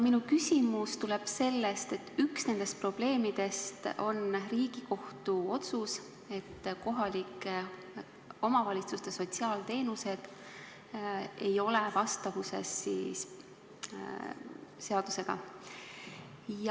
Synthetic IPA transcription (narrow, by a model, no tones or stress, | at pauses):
minukysʲimust̪uleb̥se̞lːest̪e̞t̪ːyksne̞nd̪̥e̞st̪̚pro̞b̥le̞ːmid̪̥e̞st̪o̞nriːɡ̥iko̞ht̪uo̞t̪sus | e̞t̪ːko̞ɦɑlik | o̞mɑvɑlʲit̪sust̪eso̞t̪siɑːlt̪e̞ːnuse̞d̪̥ | e̞jo̞levɑst̪ɑvuse̞̰sːiːs | se̞ɑd̪̥use̞ɡ̥ɑ̰ | j